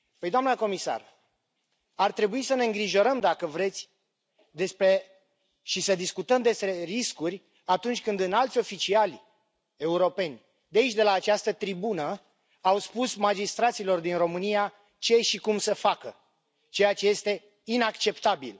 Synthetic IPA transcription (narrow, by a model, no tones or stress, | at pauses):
pəjd̪oamnəko̞misa̰r | art̪ɾe̞buisəne̞ɨŋɡɾiʒo̞ɾəmd̪akəvɾe̞t̪sʲ | d̪e̞spɾe̞ | ʃisəd̪iskut̪əmd̪e̞spɾe̞riskurʲ | at̪unt͡ʃʲkɨnd̪ɨnalt̪sʲo̞fit͡ʃialʲ | e̞uɾo̞pe̞nʲ | d̪eait͡ʃʲd̪e̞laːt͡ʃast̪ət̪ɾibunə | awspusmad͡ʒist̪ɾat̪silo̞rd̪inro̞mɨnija | t͡ʃe̞ʃikumsəfakə | t͡ʃe̞jat͡ʃe̞je̞st̪e̞ | inakt͡ʃe̞pt̪abḭl